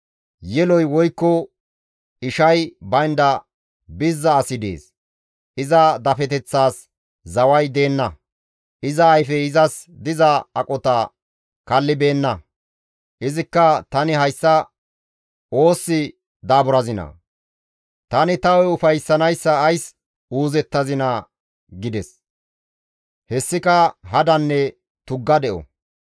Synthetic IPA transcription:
jɛlɔjwɔjkːɔ | ɪʃɐjbɐjnd̪ɐ | bɪzːɐːsɪd̪ḛːs | ʔɪzɐd̪ɐfɛt̪ɛt͡sːaːs | zɐwɐjd̪e̞ːnːɐ | ʔɪzɐːjfɛɪzɐsd̪ɪzɐɐkʼɔt̪a | kɐlːɪbe̞ːnːɐ | ʔɪzɪkːɐt̪ɐnɪɦɐjsːɐ | o̞ːsːɪ | d̪aːbʊɾɐzɪnɐ̰ | t̪ɐnɪt̪ɐwɛʊfɐjsːɐnɐjsːɐːjs | uːzɛt̪ːɐzɪnɐ | ɡɪd̪ɛs | hɛsːɪkɐɦɐd̪ɐnːɛ | t̪ʊɡːɐd̪ɛʔɔ̰

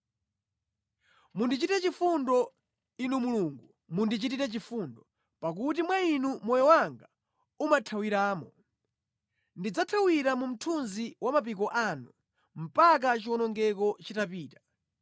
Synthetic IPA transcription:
mundit͡ʃitɛt͡ʃifundɔ | inumuluːŋɡu | mundit͡ʃititɛt͡ʃifundɔ | pak̬ut̬imwainumɔjɔwaŋɡa | umatʰawiɾaːmɔ | ndid͡zatʰawiɾamum̩tʰunziwamap̬ik̬ɔʔanu | m̩pak̬at͡ʃiwɔnɔŋɡɛkɔt͡ʃitapiːtḁ

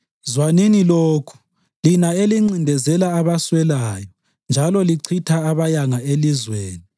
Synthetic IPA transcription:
zwaniniloːkʰu̥ | linaeliŋ͡ǀindʱɛzɛlaːβaswɛlaːjɔ | nd͡ʒʱalɔliǀʰitʰaːβajaŋaelizweːni

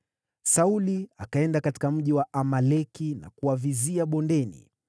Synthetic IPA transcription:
sauliakaɛndakati̥kam̩ʄiwaʔamalɛkina̰kuaviziaɓɔndɛnḭ

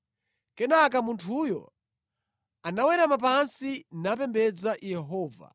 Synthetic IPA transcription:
kɛnak̬amuntʰujɔ̰ | anawɛɾamap̬ansinap̬ɛmbɛd͡zajɛɦɔːva̰

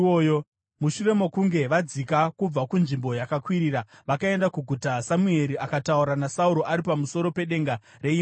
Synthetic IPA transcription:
ojo | muʃure̞mo̞kuŋɡe̞ʋad͡zikakub͡vakunʐimbo̞jakakwiɾiːɾaʋakae̞ndakuɡʱutasamue̞ɾiʔakatauɾanasauɾo̞ʔaɾipamuso̞ɾo̞pe̞ɗe̞ŋɡa | re̞im

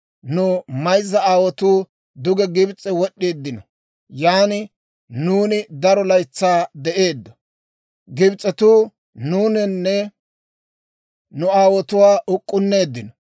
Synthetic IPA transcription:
nʊmɐjzːɐaːwɔt̪uː | d̪ʊɡɛɡɪbt͡sʼːɛwɔɗːeːd̪ːɪnɔ | jaːnɪ | nuːnɪd̪ɐɾɔlɐjt͡sːaːd̪ɛʔe̞ːd̪ːɔ̥ | ɡɪbt͡sʼːɛt̪uː | nuːnɪnːɛ | nʊaːwɔt̪ʊwaːʔʊkʼːʊnːe̞ːd̪ːɪnɔ

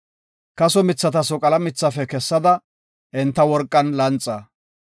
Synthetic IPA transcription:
kɐsɔmɪt͡sːɐt̪ɐsɔkʼɐlɐmɪt͡sːɐfɛkɛsːɐd̪ɐ | ʔɪnt̪ːɐwɔɾkʼːɐnlɐnt͡sʼːɐ

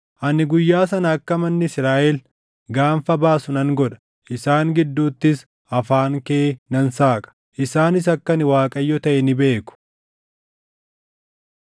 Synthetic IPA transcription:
ʔɐnɪɡʊjːaːsɐnɐːkːɐmɐnːɪɪsɾaːʔɛl | ɡaːfɐbaːsʊnɐŋɡɔᶑɐ̥ | ʔɪsaːŋɡɪd̪ːuːt̪ːɪs | ɐfaːŋkeːnɐnsaːkʼɐ̥ | ʔɪsaːnɪs̬ɐkːɐnɪwaːkʼɐjːɔt̪ɐʔɛnɪbe̞ːkʊ̥

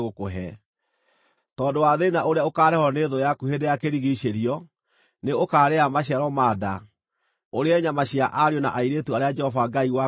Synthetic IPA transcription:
ɣokoɦɛ | tɔːndowaðenaʔoɾeaokaːɾɛhɔneðojakuhedejakeɾiɣiɕeɾiɔ | neokaːɾeamaɕ̬iaɾɔmaːda | oɾeɛɲamaɕiaʔaɾiɔna̰ʔaiɾetuaɾead͡ʒɛhɔvaɡaiwa

